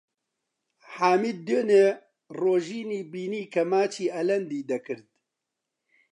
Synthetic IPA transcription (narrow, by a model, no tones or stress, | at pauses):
ħaːmid̪̚ːøneː | roːʒiːniːbiːniːkʰɐmaːt͡ʃʰiːʔɐlɐnd̪iːd̪ɐkʰɨɾd̪̚